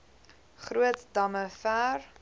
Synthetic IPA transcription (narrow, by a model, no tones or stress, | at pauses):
χruətdɐməfæːr